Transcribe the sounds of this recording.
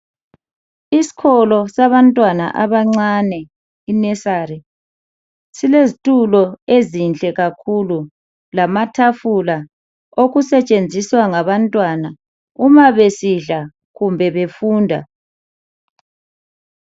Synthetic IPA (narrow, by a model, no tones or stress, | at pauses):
isi̥kʰɔlɔsaβantʼwana̰ʔaβaŋ͡ǀanɛ | inɛsaɾɛ | silezitʼulɔezint͡ɬʼɛɣakʰulu | lamatʰafula | oɣusɛt͡ʃʼend͡zʱiswaŋaβantʼwana | umaβesiɮa | ɣumbʱɛβefuːndʱa̰